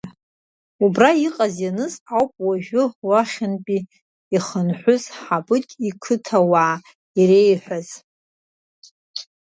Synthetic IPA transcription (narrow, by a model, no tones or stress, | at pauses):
ubraiqʼazjanɨsawpʼwaʒᶣʊwaχʲɪnpʼi | iχənħʷʊzħabɨtʼikʰɨtʰawaː | irejħʷᶣaz